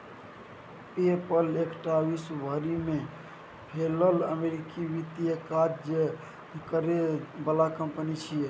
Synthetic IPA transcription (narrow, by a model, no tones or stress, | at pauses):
pepəlekʈabisbʱəɾime | pʰelələmeɾikiʋit̪ijəkad͡ʒd͡ʒe | ikəɾebəlakəmpənit͡ʃʰie